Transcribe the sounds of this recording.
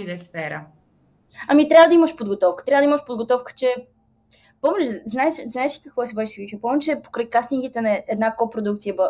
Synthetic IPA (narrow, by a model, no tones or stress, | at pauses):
id̪ɛsfɛɾə̰ | ɐmit̪ɾʲavəd̪ɐiməʃpod̪ɡot̪ɔfkə̥t̪ɾʲavəd̪iməʃpod̪ɡot̪ɔfkə̥t͡ʃɛ | poɔmɛt͡ʃɛznaɛʃznaɛʃi̥kəkvɔɛsɛbɛʃsvit͡ʃipɔmɛt͡ʃɛpo̥kɾajkast̪iŋkit̪ɛnɐɛd̪nakɔpɾod̪ukt̪sijəb